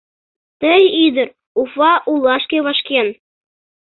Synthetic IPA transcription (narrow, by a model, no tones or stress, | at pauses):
t̪ɘ̆jid̪ɘ̆ɾ | ufɑʔulˠɑʃkʲeβɑʃkʲen